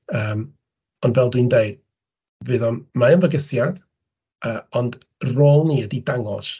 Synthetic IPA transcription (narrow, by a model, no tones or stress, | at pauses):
əːm | ɔndvɛlˠdwindeɨd̥ | vɨðɔnmaənvəɡəsjað̥ | əːɔnd | roːlˠniːədidaŋɔ̰s